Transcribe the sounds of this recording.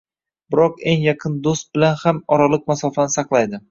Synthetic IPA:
bɪɾɒqe̞ŋjɑqʰɨnd̪ost̪̚bɪlanhamɒɾalˠɨq̚masɒfanɪsɑqlˠajd̪ɪ

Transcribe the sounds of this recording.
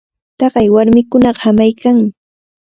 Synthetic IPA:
t̪ɑɢɑjwaɾmɪkʊnɑɢɑ̥hamajkʰaŋmɪ

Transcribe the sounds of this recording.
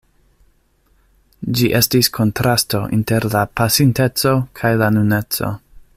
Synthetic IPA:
d͡ʒiʔe̞stiskʰo̞ntɾʔasto̞ʔḭnte̞ɾlapasinte̞t͡so̞kʰajlanune̞t͡so̞̰

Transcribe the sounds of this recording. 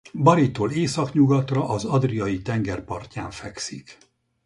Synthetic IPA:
bɒɾit̪ːoːleːsɒkɲuɡɒt̪rɒʔɒzɒd̪rijɒjit̪ɛŋɡɛrpɒrcaːɱfɛksik

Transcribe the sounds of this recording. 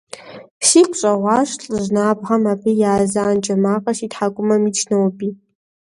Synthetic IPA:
pʰsikʷʰʼɕʷʼaʁʷaʂɬʼɨʒʷnaːbʁamapʰɨjaːzaːnt͡ʃʼamaqʼaʃitħakʷʼʊmamit͡ʃʰnawpʼi

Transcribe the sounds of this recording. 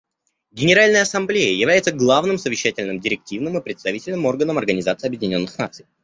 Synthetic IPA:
ɡʲɪnʲɪɾalʲnəjəɐsɐmblʲejəjɪvlʲæjɪt̪səɡlˠavnɨmsəvʲɪɕːætʲɪlʲnɨmdʲɪɾʲɪk̚tʲivnɨmɨpɾʲɪt̪st̪ɐvʲitʲɪlʲnɨmo̞rɡənəmɐrɡənʲɪzat̪sɨjɐbjɪdʲɪnʲo̞nːɨxna̰t̪sɨj

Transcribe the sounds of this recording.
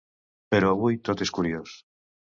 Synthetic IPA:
peɾoaβujt̪ot̪eskuɾjos

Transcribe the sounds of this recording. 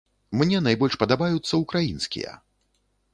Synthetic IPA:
mnʲɛnajbɔlʲʂpɐd̪abajut̪sːɐukɾajinskʲḭjɐ̰

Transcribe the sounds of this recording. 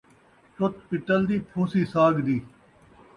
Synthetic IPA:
t͡ʃʊt̪pɪʈəld̪iːpʰoːsiːsaːɡd̪iː

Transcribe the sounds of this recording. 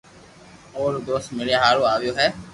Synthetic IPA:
oːɾd̪oːsmɪljaɦaːɾoaːʋjoːɦɛː

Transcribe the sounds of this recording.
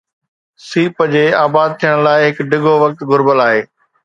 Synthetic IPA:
siːpəd͡ʑeːaːbaːd̪̚t̪ʰijəɽ̃laːɪɦɪkɖɪɡʱoʋɐk̚t̪ɡʱʊɾbəlaːɦeː

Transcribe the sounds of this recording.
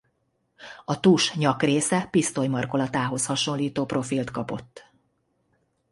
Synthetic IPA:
ɒt̪uʃɲɒkreːsɛpist̪o̞jmɒrko̞lɒt̪aːɦo̞shɒʃo̞liːt̪oːpro̞filt̪kɒpo̞̰t̪ː

